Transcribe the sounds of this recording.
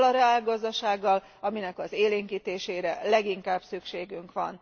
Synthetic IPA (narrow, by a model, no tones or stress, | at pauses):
lɒɾɛaːlɡɒzd̪ɒʃaːɡːɒl | ɒminɛkɒzeːleːŋkiːt̪eːʃeːɾɛlɛɡiŋkaːbsykʃeːɡyŋkʋɒ̰n